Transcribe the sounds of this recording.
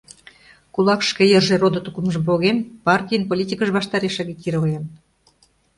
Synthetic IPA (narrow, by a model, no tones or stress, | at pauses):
kulɑkʃkejərʒerod̪ot̪ukumʒəmpoɣenpɑrt̪ʲijənpolʲit̪ʲikəʒβɑʃt̪ɑɾeʃɑɣekiɾojen